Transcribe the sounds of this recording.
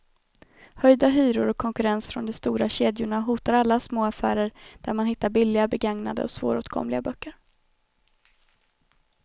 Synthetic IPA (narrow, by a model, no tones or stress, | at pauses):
hœjd̪aɦyːɾʊɾɔkʰːɔŋkɵɾɛnsfɾɔnd̪ɛst̪uːɾaɕeːd̪jʊɳaɦuːt̪aɾalːasmoːafæ̰ːɾəɾd̪̥æɾmanhɪt̪ːaɾbɪlːɪɡabɛɡaŋna̰d̪ə̰ɔsv̥o̰ːɾo̰ːt̪kʰɔ̰mlɪɡabœkʰːəɾ